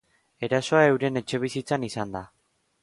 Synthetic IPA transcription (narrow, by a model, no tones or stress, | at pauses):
e̞ɾaso̞ae̞wɾe̞ne̞t͡ʃe̞β̞isit͡sanisand̪a